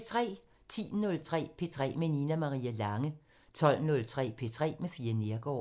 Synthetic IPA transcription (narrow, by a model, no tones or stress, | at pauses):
t͡sʰʁɛ̰ː | t͡sʰḭːnɔ̽lt͡sʰʁɛ̰ːpʰe̝t͡sʰʁɛ̰ːmeninæmɑ̈ʁḭːælɑ̈ŋə | t͡sʰɒ̽l̰nɔ̽lt͡sʰʁɛ̰ːpʰe̝t͡sʰʁɛ̰ːmefiːɐne̝ɐɡ̥ɒ̰ː